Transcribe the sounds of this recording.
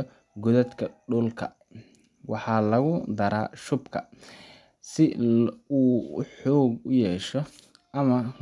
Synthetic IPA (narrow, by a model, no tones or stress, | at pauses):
ɡʊðɐd̪kʰɐɖʊlkʰɐ̰ | wɑħɑːlɐɣʊd̪ɐɾa̰ːʃʊbkʰɐ̰ | sɪuːħɔːɡʊjɛːʃɔ | ɐmɐ